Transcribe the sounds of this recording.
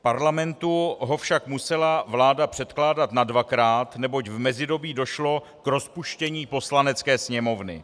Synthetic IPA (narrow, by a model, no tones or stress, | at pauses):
paɾlamɛnt̪uɦo̞fʃakmusɛlavlaːdapr̝̥ɛt̪klaːdat̪nadvakɾaːt̪nɛbo̞cvmɛzɪdo̞biːdo̞ʃlo̞ | kɾo̞spuʃcɛɲiːpo̞slanɛt͡skɛːsɲɛmo̞vnɪ̰